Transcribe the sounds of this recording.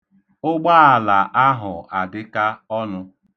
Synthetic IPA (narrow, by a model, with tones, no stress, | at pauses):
ʊ˦ɡ͡ba˦a˨la˨ʔa˦ɦʊ˨a˨dɪ˦ka˦ɔ˦nʊ˦